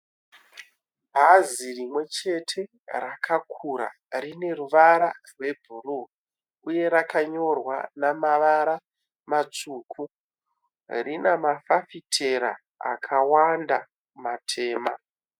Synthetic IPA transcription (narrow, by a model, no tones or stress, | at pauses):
bʱazirimwe̞t͡ʃe̞tʰe̞ | rakʰakʰuɾa̰ | rine̞ruʋaɾarwe̞bʱuru | uje̞ɾakaɲo̞rwa̰namaʋaɾa | mat͡suːkʰu | rinamafafitʰe̞ɾa̰ | a̰kʰawanda | matʰe̞ːma